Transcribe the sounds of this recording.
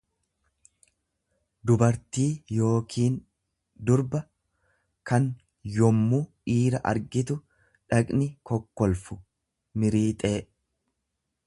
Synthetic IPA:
d̪ʊbɐɾt̪iːjo̞ːkʰiːn | d̪ʊɾbɐ | kɐn | jɔmːuːʔiːɾɐʔɐ̰ɾɡɪt̪ʊ | ᶑɐkʼnɪkɔkːɔlfʊ | mɪɾiːt̪ʼe̞ː

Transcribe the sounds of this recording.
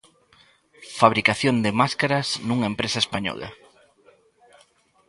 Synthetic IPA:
faβ̞ɾikaθjond̪ɪmaskaɾɐznũŋempɾesaespaɲɔ̰la̰

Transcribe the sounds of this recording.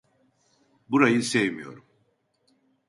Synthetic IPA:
buɾajɯsevmijo̞̰ɾum

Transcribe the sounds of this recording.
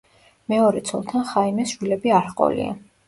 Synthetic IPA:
mɛɔɾɛt̪sʰɔlˠt̪ʰanχaimɛsʃwilɛbiaɾqʼɔ̰lḭa̰

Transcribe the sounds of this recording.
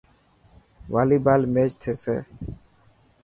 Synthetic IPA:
ʋaːliːbaːlmeːt͡ʃt̪ʰeːsḛː

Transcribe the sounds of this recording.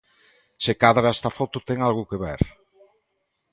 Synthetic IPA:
sekaðɾaest̪afot̪ʊt̪ɛŋalɣʊkeβḛɾ

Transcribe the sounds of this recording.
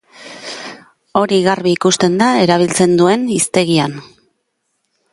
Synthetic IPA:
o̞ɾiɣarβiːkust̪e̞nd̪ae̞ɾaβ̞ilt͡se̞nd̪ue̞nist̪e̞ɣian

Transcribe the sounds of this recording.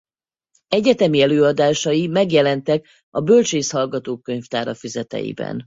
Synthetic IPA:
ɛɟɛt̪ɛmiɛløːɒd̪aːʃɒjimɛɡjɛlɛnt̪ɛk | ɒbølt͡ʃeːshɒlɡɒt̪oːkːø̞ɲft̪aːɾɒfizɛt̪ɛ̰jḭbɛ̰n

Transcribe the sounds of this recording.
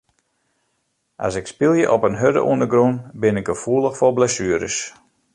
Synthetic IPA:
ʔa̰sɪkspɪlˠjəʔɔpənɦødə̰ʔṵəndəɡrunbɪnɪɡ̚ɡəfuəlˠəxfɔlˠblasyəɾə̰s

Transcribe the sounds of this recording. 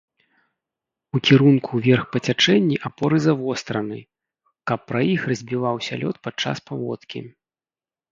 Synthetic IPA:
ukʲiɾunkʰuvʲɛrxpɐt͡sʲat͡ʂɛnʲːiʔapɔɾɨzavɔst̪ɾɐnɨ̰ | kɐpːɾɐjixrɐzʲbʲivawsʲɐ̰lʲɔt̪̚pat͡ʂːa̰spavɔ̰t̪kʲḭ

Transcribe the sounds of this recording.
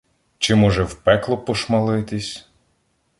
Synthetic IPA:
t͡ʃɪmɔʒɛwpɛklˠɔpɔʃmɐlˠɪt̪ɪsʲ

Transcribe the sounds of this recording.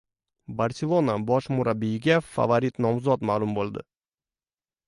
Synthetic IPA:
baɾsʲelˠonabɒʃmʊɾabːijɪɡʲafa̰vaɾit̪nɒmzɒt̪maːlˠʊmbolˠd̪ɪ̰

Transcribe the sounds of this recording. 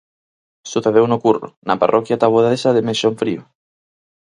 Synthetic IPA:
suθeð̞ewnokuro̰na̰pa̰rʔɔkjat̪aβoðaesaðemensoɱfɾio

